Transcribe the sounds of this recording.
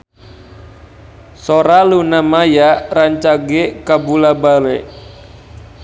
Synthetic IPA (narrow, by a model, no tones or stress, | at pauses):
soɾalunamajaraɲt͡ʃaɡekabulabalɛʔ